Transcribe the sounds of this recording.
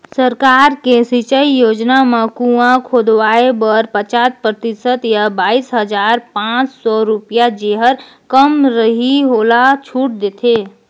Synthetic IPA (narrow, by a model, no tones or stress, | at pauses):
səɾkaːɾkesit͡ʃəijoːd͡ʒnamãkũãkʰoːd̪ʋaːebəɾpət͡ʃat̪̚pɾət̪ɪsət̪jabaːisɦəd͡ʒaːɾpãːt͡ʃsɔɾupijad͡ʒeɦəɾ | kəmɾəɦiɦoːlat͡ʃʰuʈ̚d̪et̪ʰe